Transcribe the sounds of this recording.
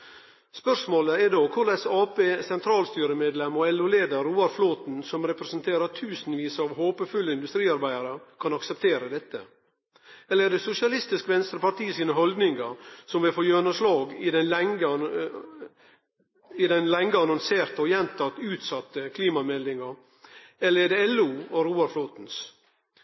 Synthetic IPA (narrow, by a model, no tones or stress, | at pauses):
spœʂmoːləɛɖoːkʰʊɾɖ̪æɪsɑːpeːsɛnt̪ʰɾɑːlst̪yːɾəmeːd̪lɛmɔɛlʊleːd̪əɾːuːɑɾfloːt̪n̩sɔmɾɛpɾɛsənt̪ʰeːɾət̪ʰʉːsn̩ʋiːsɑʋɦoːpəfʉlːəɪnd̪ʉst̪ɾiːɑɾbæɪəɾəkʰɑnɑksɛp̚t̪ʰeːɾəd̪ɛt̪ːə̰ | ɛlːəɛɖɛsʊsɪɑlɪst̪ɪskʋɛnst̪ɾəpɑʈiːəsiːnəɦɔld̪nɪŋɑɾsɔmʋɪlfoːjøːnəslɑːɡɪd̪ɛnlɛŋə | ɪd̪ɛnlɛŋɡəɑnɑnseːɾt̪əɔjɛnt̪ʰɑt̪ːʉːt̪sɑt̪ːəkʰliːmɑmɛlɪŋɑɾ | ɛləɾɛd̪ɛɛlːuːɔɾuːɑɾfloːt̪n̩s